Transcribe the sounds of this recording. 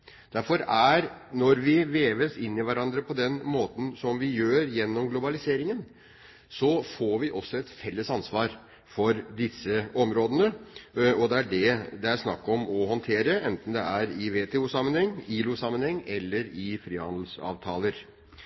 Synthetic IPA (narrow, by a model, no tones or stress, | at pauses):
d̪̥æɾfɔɾæɾnɔɾʋɪʋeːʋəsɪnːɪʋæɾɑnd̪ɾəpʰɔd̪ɛnmoːt̪n̩sɔmʋɪjøːɾjɛnːɔmɡlʊbɑlɪseːɾɪŋən | sɔfoːɾʋɪʔɔsːɔɛt̪fɛlːəsɑnsʋɑːɾ | fɔɾd̪ɪsːəɔmɾoːd̪ənəɔd̪ɛæɖɛd̪ɛæɾsnɑ̰kːɔmɔɦɔnt̪ʰeːɾəɛnt̪n̩d̪ɛ̰æɾɪʋeːt̪ʰɛuːsɑmːənhɛŋːiːlusɑmːənhɛŋːɛlːəɾɪfɾiːhɑ̰nd̪l̩sɑ̰ːʋt̪ʰɑːləɾ